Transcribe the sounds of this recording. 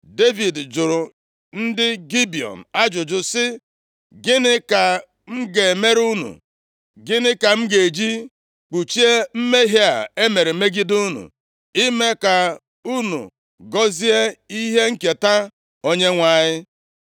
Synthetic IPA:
de˦vi˨dd͡ʒʊ˨ɾʊ˨ | n̩˦dɪ˦ɡi˦bi˨ɔ̰˨n̩˨a˦d͡ʒʊ˨d͡ʒʊ˨sɪ˦ | ɡɪ˦nɪ˦ka˨ | m̩˦ɡe˨me˦ɾu˦nṵ˨ | ɡɪ˦nɪ˦ka˨m̩˦ɡe˨d͡ʒi˦ | k͡pu˨t͡ʃi˦e˦m̩˦me˦ɦe˦a̰˨e˦me˨ɾe˨˦me˦ɡi˦du˦nṵ˨ | i˦me˦ka˨ | u˦nṵ˨ | ɡɔ˦zi˦e˦i˦ɦe˦ŋ̩˦ke˨ta˦ | o˦ɲe˦ŋʷa˦˨ɲɪ˦

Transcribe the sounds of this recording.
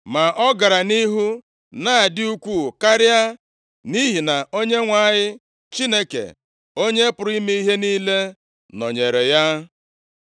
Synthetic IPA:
ma˨ʔɔ˦ɡa˨ɾa˨ni˦ɦu˦ | na˦a˨dɪ˦u˦kʷu˦˨ka˦ɾja˦ | ni˦ɦi˨na˨o˦ɲe˦ŋʷa˦˨ɲɪ˦ | t͡ʃi˦ne˦kḛ˨ | o˦ɲe˦pʊ˨ɾi˦mi˦i˦ɦe˦ni˦le˦ | nɔ̰˨ɲe˨ɾe˨ja˦

